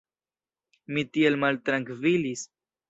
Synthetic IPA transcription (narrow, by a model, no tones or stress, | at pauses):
mitielmaltɾaŋkvilis